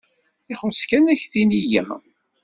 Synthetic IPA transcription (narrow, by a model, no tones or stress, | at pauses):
ɪχʊskænæçθinijæ̰